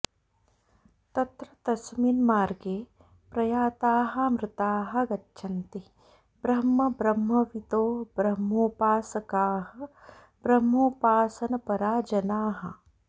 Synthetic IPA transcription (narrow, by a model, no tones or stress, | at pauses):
t̪ɐt̪ɾɐt̪ɐsmiːnmaːɾɡeː | pɾɐjaːt̪aːɦɐmɾɪt̪aːɦɐ̆ɡɐtːʃʰɐnt̪i | bɾɐmːɐbɾɐmːɐʋit̪oːbɾɐmːoːpaːsɐkaːɦɐ̆ | bɾɐmːoːpaːsɐnɐpɐɾaːd͡ʒɐnaːɦɐ̰